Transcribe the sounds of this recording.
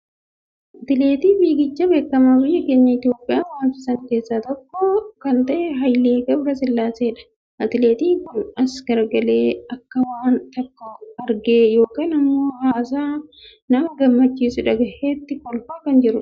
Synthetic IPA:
ʔɐt̪ɪle̞ːt̪iːbiːɡɪt͡ʃːɐbe̞ːkːɐmɐbɪjɐkeːɲːɐɪt̪ɪjo̞ːpʼːɪjaːwaːnsɪsɐŋke̞ːsːaːt̪ɔkːɔkɐnt̪ɐʔeɦɐjleːɡɐbɾɐsɪlːaːseːᶑɐ̥ | ʔɐt̪ɪle̞ːt̪iːŋkʊnɐsɡ̥ɐɾɡɐle̞ːɐkːɐwaːnt̪ɐkːɔɐɾɡe̞ːjo̞ːkaːnɐmːo̞ːhaːs̬aː | nɐmɐɡɐmːɐt͡ʃːiːsʊɪᶑɐɡɐhet̪ːɪkɔlfaːkɐnd͡ʒɪɾʊ

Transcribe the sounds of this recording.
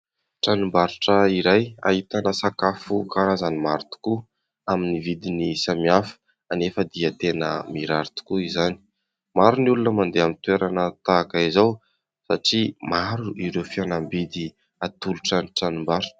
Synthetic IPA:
ʈ͡ʂanumbaɾiʈ͡ʂəiɾaja̰ɦit̪anəsakafukaɾazanimaɾut̪u̥ku | aminivid̪inisamiafə̥ | anefəd̪iət̪enə̰miɾaɾit̪u̥kuizani̥ | maɾunulunəmand̪eamint̪ueɾanət̪akaizaw | saʈ͡ʂimaɾuiɾewfianambid̪i | at̪uluʈ͡ʂəniʈ͡ʂanumbaɾuʈ͡ʂ

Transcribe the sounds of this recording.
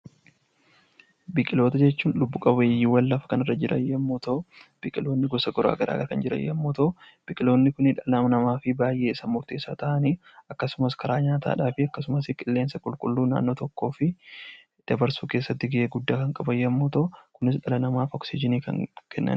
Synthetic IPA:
bɪkʼɪlo̞ːt̪ɐd͡ʒɛt͡ʃːuːnlʊbːuːkʼɐbɐɐjːiwɐlːɐfɐ̥kɐnɪrːɐd͡ʒɪɾʔɐ̰jːɐmːuːt̪ɐʔʊb̥ɪkʼɪlo̞ːnːɪɡɔsɐɡɔɾa̰ːɡɐɾʔa̰ːɡɐɾkɐnd͡ʒɪɾɐ̰jːɐ̰mːuːt̪ɐʊ | b̥ɪkʼɪlo̞ːnːɪkʊnɪᶑɐlɐmɐnɐmaːfɪbaːjʔe̞ːɪsɐmʊɾt̪eːsaːt̪ɐʔɐniː | ɐkːɐsʊmɐskʰɐɾaːɲaːt̪a̰ːᶑaːfɪɐkːɐsʊmɐsɪkʼɪlːeːnsɐkʼʊlkʼʊlːuːna̰ːnːoːt̪ɔkːo̞ːfɪ | d̪̥ɐbɐɾsuːke̞ːsːɐt̪ːɪɡɪʔeːɡʊd̪ːaːkɐŋkʼɐbɐjːɐmːuːt̪ɐʊkʊnɪsᶑɐlɐnɐmaːfɔksɪd͡ʒɪniːkɐ̰ŋkʰɛnːɐ̰n

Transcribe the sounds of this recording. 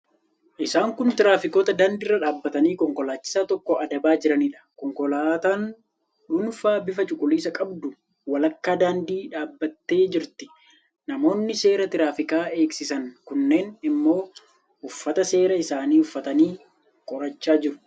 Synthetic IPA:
ʔɪsaːŋkʊnt̪ɪɾaːfɪko̞ːt̪ɐd̪aːnd̪ɪrːɐᶑaːbːɐt̪ɐniːkɔŋkɔlaːt͡ʃːɪ̥saːt̪ɔkːɔɐd̪ɐbaːd͡ʒɪɾɐniːᶑɐ̥kɔŋkɔlaːt̪aːn | ᶑʊnfaːbɪfɐt͡ʃʼʊkʼʊliːsɐkʼɐbd̪ʊ | wɐlɐkːaːd̪aːnd̪iːᶑaːbːɐt̪ːe̞ːd͡ʒɪɾt̪ɪ | nɐmo̞ːnːɪse̞ːɾɐt̪ɪɾaːfɪkʼaːe̞ːksɪsɐnkʊnːe̞ːnɪmːo̞ː | ʊfːɐt̪ɐse̞ːɾɐɪsaːniːʊfːɐt̪ɐniː | kʼɔɾɐt͡ʃːaːd͡ʒɪɾʊ̥

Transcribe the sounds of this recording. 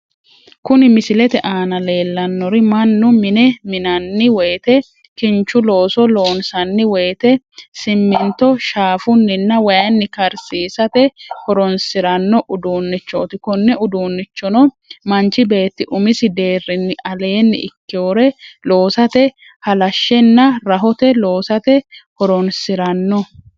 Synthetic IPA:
kʊnɪmɪsɪlɛt̪ɛʔaːnɐle̞ːlːɐnːɔɾɪmɐnːʊmɪnɛmɪnɐnːɪwɛjt̪ɛ | kɪnt͡ʃːʊlo̞ːsɔlo̞ːnsɐnːɪwɛjt̪ɛ | sɪmːɪnt̪ɔʃaːfʊnːɪnːɐwɐjɐnːɪkɐɾsiːsɐt̪ɛhɔɾɔnsɪɾɐnːɔʔʊd̪uːnːɪt͡ʃːo̰ːt̪ɪkɔnːɛʊd̪uːnːɪt͡ʃːɔnɔ | mɐnt͡ʃɪbe̞ːt̪ːɪʔʊmɪsɪd̪e̞ːrːɪnːɪʔɐle̞ːnːɪʔɪ̰kːɪoːɾɛlo̞ːsɐt̪ɛ | hɐlɐʃːɛnːɐɾɐɦɔt̪ɛlo̞ːsɐt̪ɛhɔɾɔnsɪɾɐnːɔ

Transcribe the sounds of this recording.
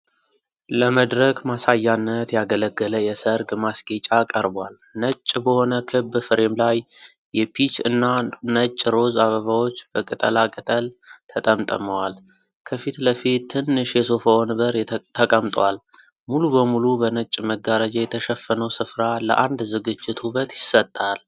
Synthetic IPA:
ləməd̪ɾəkmasajːanːət̪jaɡələɡːələjɛsəɾɡmasɡet͡ʃʼakʼəɾbwal | nət͡ʃʼːbəho̞nəkʰɨbːfɨɾemlaj | jɛpʰit͡ʃɨnːanət͡ʃʼːɾo̞zaβəβawo̞t͡ʃːb̥əkʼɨt̪ʼə̰lakʼɨt̪ʼəlt̪ʰət̪ʼəmt̪ʼə̰məwal | kʰəfit̪ləfit̪ʰːɨnːɨʃjɛso̞fawnɨβəɾt̪ʰːəkʼəmt̪ʼwal | mulubəmulubənət͡ʃʼməɡaɾad͡ʒajɛt̪ʰəʃəfːənəwsɨfɾalə̰ʔand̪zɨɡɨd͡ʒːɪt̪huβət̪jɪsət̪ʼːal

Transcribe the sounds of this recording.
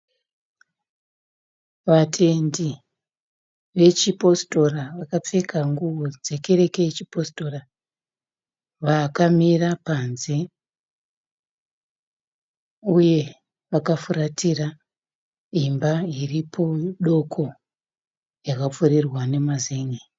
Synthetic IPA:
ʋatʰe̞ndi | ʋe̞t͡ʃipo̞sto̞raʋakap͡fe̞kʰaŋɡuwod͡ze̞ke̞ɾe̞ke̞jet͡ʃipo̞sto̞ra | ʋakamirapanze̞ | uje̞ | ʋakafuɾatira | imbairipʰo̞ɗo̞kʰo̞ | jakap͡fuɾirwane̞mazeːŋɡe

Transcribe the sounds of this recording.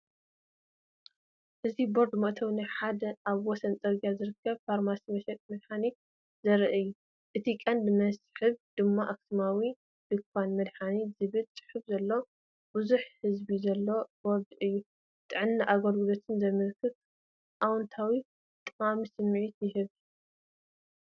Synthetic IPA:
ʔɨzibo̞ɾd̪mɐʔt̪ʰɐwnaħad̪ɐʔaβwɔsɐnt͡sʼɐɾɡijazɨɾɨkʰːɐβfaɾmasimɐʃɛt̪ʼmɐd̪ħani | zɐɾɨʔɨjːu | ʔɨt̪ʰikʼɐnd̪mɐsħɨβd̪̥ɨmːaʔaksimawi | d̪̥ɨkfanmɐd̪ħanizɨβɨlt͡sʼɨ̥ħɨfzɐlːo̞ | buzuħhɨzbizɐlːo̞boɾd̪ɨjːu | t̪ʼɨʕɨnːaʔaɡɐɾɡɨlo̞t̪ʰɨnzɐmɨɾkʰːɨβ | ʔawɔnt̪ʰawi | t̪ʼɨqʼamisɨmːʕit̪jɪɦɨβ

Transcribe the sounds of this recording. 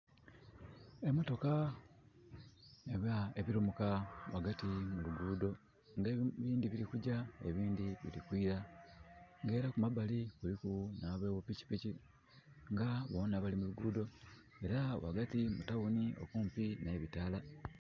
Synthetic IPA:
e̞moto̞ka | eβaeβiɾumukawaɡatimuluɡuːdo̞ | ŋɡeβiːndiβiɾikuɟaeβiːndiβḭɾikwiːɾa | ŋɡe̞ːɾakumabalikulikunaβwe̞ːβupici̥pici | ŋɡaβo̞ːnaβalimuluɡuːdo̞ | e̞ɾawa̰ɡatimutaɣunio̰kuːmpinaβitaːla

